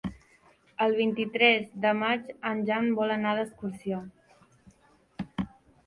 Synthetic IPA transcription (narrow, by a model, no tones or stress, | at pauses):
əlˠβ̞int̪it̪ɾɛzd̪əmad͡ʒanʲʒambɔlənaðəskuɾsio